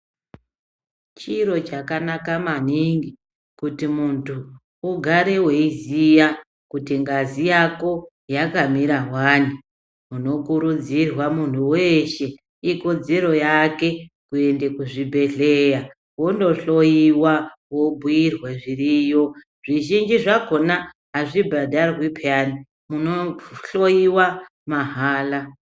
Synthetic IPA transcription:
t͡ʃiɾo̞t͡ʃakanakamaniŋɡi | kutimuntʰuː | ɡʱaɾe̞we̞izija | kutiŋɡazijako̞ | jakamiɾaɦwaːni | muno̞kuɾud͡zirwamun̤uwe̞ːʃe̞ | iko̞d͡zeɾo̞jake̞ | kue̞ndekuʐibʱe̞ɮeja | wo̞ndo̞ɬo̞jiwawo̞bʱujirweʐiriːjo̞ | ʐ̥iʒind͡ʒiʐako̞na | ɦaʐibʱadʱarwipʰani | munoɬojiwa | maɦaːla

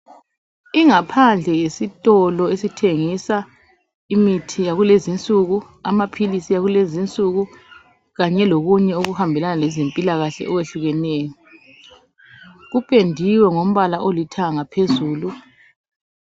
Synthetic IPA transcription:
iŋapʰand͡ɮʱɛjesitʼɔlɔesitʰeŋisa | imitʰijaɣulezint͡sʼuɣu | a̰mapʰilisijaɣulezint͡sʼuɣu | ɣaɲɛloɣuɲɛuɣuhambʱɛlanalɛzempʼilaɣaɬɛ̰ʔɔweɬuɣɛneːjɔ | ɣupʼendʱiwɛŋom̩βalaʔolitʰaŋapʰezuːlu

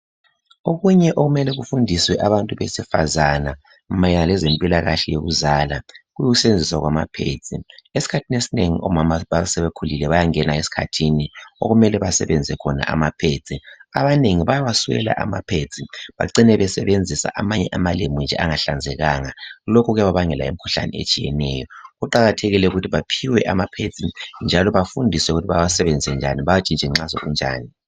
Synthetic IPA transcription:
oɣuɲɛʔoɣumɛlɛɣufundʱiswɛʔaβantʼuβesifazana | majɛnalɛzempʼilaɣaɬɛjoɣuzalaɣujuɣusend͡zʱiswaɣwamapʰḛt͡sʰʼiesi̥kʰatʰinesineŋḭʔɔ̰mamaβasɛβekʰulilɛβajaŋɛnaesi̥kʰa̰tʰinio̰ɣumɛlɛβasɛ̰βend͡zʱɛkʰɔna̰ʔa̰mapʰe̥t͡sʼia̰βaneŋiβajaβasuɣɛ̰la̰ʔa̰mapʰet͡sʼiβa̰ǀinɛβɛsɛβend͡zʱisa̰ʔamaɲɛʔamalemund͡ʒʱɛ̰ʔaŋaɬand͡zʱɛɣaŋalokʰɔɣɛβaβaŋɛla̰emikʰu̥ɬa̰nḭḛt͡ʃʼijɛ̰nɛːjɔɣuǃaɣatʰeɣilɛuɣutʰiβapʰiwɛʔamapʰe̥t͡sʼind͡ʒʱalɔβafundʱisɛuɣutʰiβajawasɛβɛnd͡zʱisɛnd͡ʒʱaniβajat͡ʃʼint͡ʃɛŋ͡ǁazɔ̰ɣṵnd͡ʒʱa̰ːni

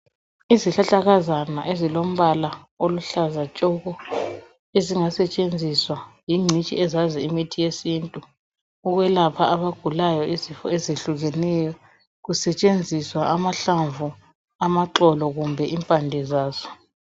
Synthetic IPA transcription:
iziɬaɬaɣazana̰ʔezilom̩βala | oluɬazat͡ʃʼɔɣɔ | eziŋasɛt͡ʃʼend͡zʱiswajiŋ͡ǀʱit͡ʃʼḭɛzaziimitʰijesintʼu | uɣwɛlapʰaʔaβaɡ̥ʱulajɔizifɔ̰ezeɬuɣɛnɛjɔ | ɣusɛt͡ʃʼend͡zʱiswaʔamaɬaɱvu | amaǁɔlɔɣumbʱɛʔimpʼandʱɛzaːzɔ

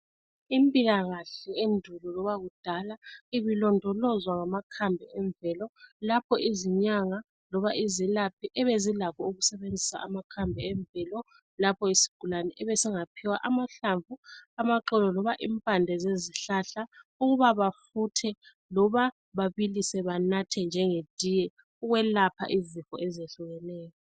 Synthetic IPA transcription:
impʼiɣaɣaɬɛendʱulɔlɔβaɣud̥ʱalaiβilɔndʱɔlɔzwaŋamakʰambʱɛɛɱbvɛlɔlapʰɔʔiziɲaŋa | lɔβaʔizilapʰiʔɛβezilakʰɔuɣusɛβend͡zʱisa̰ʔamakʰambʱɛɛɱbvɛlɔ | lapʰɔisi̥ɡ̥ʱulanɛʔɛβɛsɛŋapʰɛwaʔamaɬaɱvuamaǃɛlɔlɔβaʔimpʼandʱɛzeziɬaɬauɣuβaβafutʰɛ | lɔβa | βaβilisɛβanatʰɛnd͡ʒʱɛŋed̥ʱijɛ | uɣwɛlapʰa̰ʔizifɔ̰ʔɛzeɬuɣɛnɛːjɔ

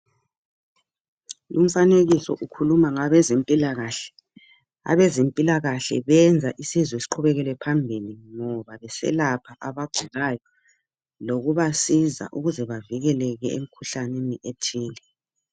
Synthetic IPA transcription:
um̩faneɣisɔʔukʰulumaŋaβɛzempʼilaɣaɬɛ̥ | a̰βɛzempʼilaɣaɬɛ̰βɛnd͡zʱaʔisizwesi̥ǃʰuβɛɣɛlɛpʰambʱiliŋɔβaβɛsɛ̰lapʰaʔaβaɡ͡ǀʱiɣajɔ | loɣuβasiza̰ʔuɣuzɛβaviɣɛlɛɣɛḛm̩kʰuɬaneniʔetʰiːlɛ

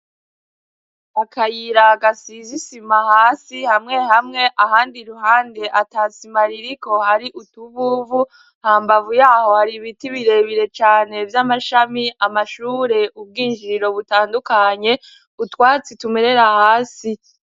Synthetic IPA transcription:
akʰajiɾaɡasizisimahaːsihamŋe̞hamŋe̞ʔahaːndiɾuɦaːnde̞ʔatasimaɾiɾiko̞haɾiʔutuβuvu | haːmbavujaːho̞haɾiβitiβiɾe̞βiɾe̞t͡ʃaːne̞vjamaʃamiamaʃuːɾe̞ʔub̚ɡiːnd͡ʒiɾo̞βutaːndukaɲe̞ | utwaːt͡situme̞ɾe̞ɾahaːsi

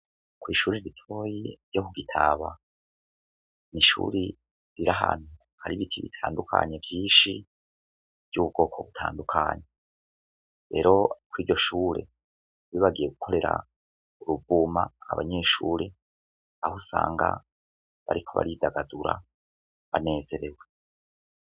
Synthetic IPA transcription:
kwiːʃuːɾiɾitʰo̞ːjiɾjo̞kuɡitʰaβa | niʃṵːɾi | ɾiɾaɦan̥u | haɾiβitʰiβḭtʰaːndukʰa̰ɲe̞vjiːʃi | v̥jɟuːβ̚ɡo̞ːkʰo̞βutʰaːndukʰaːɲe | ɾe̞ːɾo̞kwiːɟo̞ʃuːɾe̞̰ | βiβaɡije̞ɡukʰo̞ɾe̞ɾa | uɾubumaːβaɲe̞ːʃuːɾe | ahosaːŋɡa̰ | βaɾikʰo̞βa̰ɾidaɡaduɾa̰ | βane̞ːze̞ɾe̞we

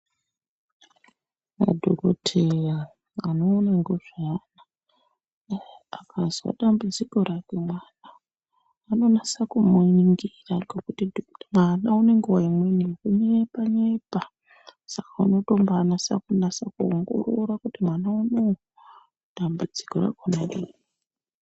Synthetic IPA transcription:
a̰dʱoɾotʰeja | anoːnaŋɡoʐana | akazwa̰ɗambud͡ziko̞ɾake̞mwaːnaː | no̞nasakumoiniŋɡiraŋɡekutidmwanaune̞ŋɡuwaimweniŋɡeɲepaɲepa | sakauno̞to̞mbaːnasa̰kunasakuoŋɡṵɾuɾakutimwanauno | ɗ̥ambud͡zikoɾa̰konaɗiːi

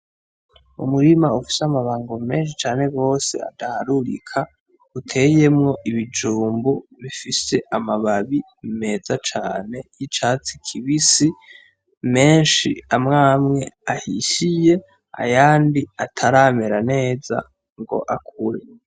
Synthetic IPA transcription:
ṵmuɾimaufi̥seamaβaːŋɡo̞me̞ːnʃ̬it͡ʃaːne̞ɡo̞ːse̞̰a̰dahaɾuɾḭkʰa | utʰe̞je̞mŋo̞ʔiβid͡ʒuːmbuβifise̞ʔamaβaβi | me̞ːzat͡ʃaːne̞jit͡ʃaːt͡si̥kʰiβisi | me̞ːnʃiamŋaːmŋe̞ahiɕije̞ | a̰jaːndiatʰaɾaːmeɾane̞ːza̰ | ŋɡo̞̰ʔakʰuɾe

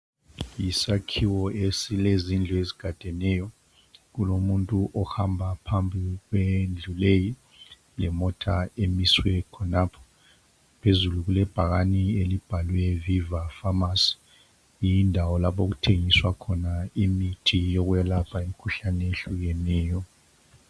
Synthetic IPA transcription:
jisakʰiwɔesilezind͡ɮʱɔeziɡ̥ʱad̥ʱɛnɛjɔ | ɣulomuntʼuʔɔhambʱapʰambʱiɣwend͡ɮʱuleji | lɛmɔtʰaemiswɛkʰɔnapʰɔ̥ | pʰezuluɣulɛb̥ʱaɣanielib̥ʱalwɛvivafamasi̥ | iindʱawɔlapoɣ̬utʰeŋiswakʰɔnaimitʰijɔɣujalapʰaemikʰuɬanɛeɬuɣɛnɛːjɔ

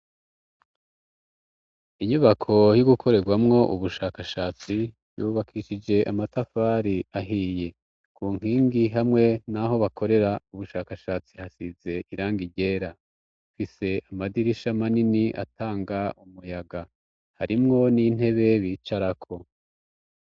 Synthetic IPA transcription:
iɲuβakʰo̞juɡukʰo̞ɾe̞ɡwamŋo̞ʔuβuʃaːkaʃaːt͡si | βjuːβakʰiʃid͡ʒe̞ʔamatafaːɾiaɦiːje̞ | kuːŋ̥hiːŋɡiɦamŋe̞naɦo̞βakʰo̞ɾe̞ɾauβuʃaːkaʃaːt͡sihasize̞ʔiɾaːŋɡiɟe̞ɾa | fise̞amadiɾiʃamaniniʔa̰taːŋɡaʔumujaɡa | haɾimŋo̞niːn̥e̞βe̞βiːt͡ʃaɾakʰo̞

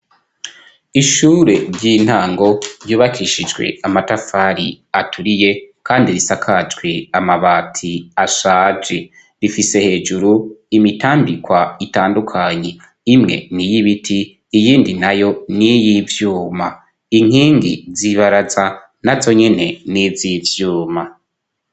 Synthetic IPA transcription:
iʃuːɾe̞ɾɟiːn̥haːŋɡo̞ɾjuːβakʰiʃid͡ʒɡwḛamatafaːɾi | atʰuɾije̞kʰaːndiɾisakʰad͡ʒɡwe̞amaβaːtʰiaʃaːd͡ʒe̞ | ɾifise̞he̞ːd͡ʒuɾuimitʰaːmbikwaitaːndukʰaɲe̞ | imŋe̞̰nijiβitʰiː | jiːndinajo̞nijivjuːma | iŋ̥hiːŋɡḭziβaɾaza | nazo̞ɲe̞ne̞nizivjuːma

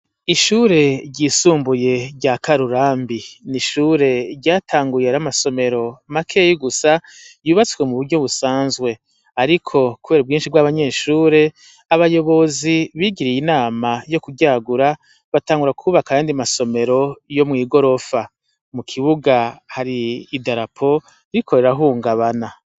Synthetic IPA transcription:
iʃuːɾe̞ɾɟiːsuːmbuje̞ɾɟakaɾuɾaːmbiniʃuːɾe̞ɾɟaːtʰaːŋɡujeɾamaso̞me̞ɾo̞makʰejiɡusa | juːβat͡skwe̞muβuɾɟo̞βusaːnzɡwe̞ | aɾikʰo̞kuβe̞ːɾub̚ɡiːnʃiɡwaβaɲe̞ʃuːɾe̞ | aβajo̞βo̞ziβiːɡiɾijinaːmajo̞kuɡɟaɡuɾa | βataːŋɡuɾakʰuːβakajaːndiamaso̞me̞ɾo̞jo̞mŋiːɡo̞ɾo̞fa | mukʰiβuɡahaɾiːdaɾapʰo̞ | iikʰo̞ɾe̞ɾaɦuːŋɡaβana

